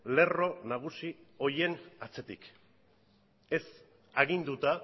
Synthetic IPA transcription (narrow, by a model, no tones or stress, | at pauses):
le̞ro̞naɣ̞usio̞je̞nat͡se̞t̪ik | e̞s | aɣind̪ut̪a